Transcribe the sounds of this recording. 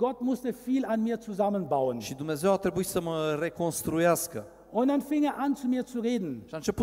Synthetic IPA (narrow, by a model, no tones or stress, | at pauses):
ɡ̥ɔtmʊstəfiːlanmiːɐt͡suzamənbaʊənʃid̪umnezewat̪ɾebuit̪səməre̞konst̪ɾujaskə | ʔʊnt̚d̥anfɪŋeːɐʔant͡sumiːɐt͡suʁeːdn̩ʃiaɨnt͡ʃe̞pu